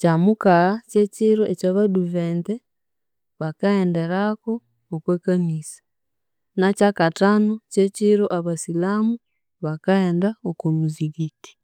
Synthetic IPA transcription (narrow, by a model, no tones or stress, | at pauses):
camukaceciɾoecaβaduveːnte | βakaendeɾakoː | kweːkanisḁ | nacakatanoceciɾoʔaβasilamu | βakaeːndaokomuziɡiti̥